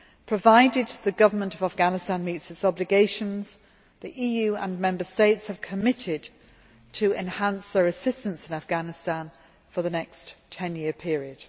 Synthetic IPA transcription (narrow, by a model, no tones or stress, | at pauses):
pʰɹ̥əvaɪdɪd̪̚ðəɡʌvəmə̃ntʌvafɡ̥anɨstãnmiˑtsɨtsɒblɨɡeɪʃə̃nz̥ | ðiʔiːjʉə̰̃nmɛ̃mbəsteɪtshəv̥kʰəmɪtʰɪd | tʰəɛ̃nhãnsðəɹɨsɪstə̃nsɪ̃nafɡ̥anɪstãn | fəðənɛkstʰɛ̃njɪəpʰɪəɹiəd̥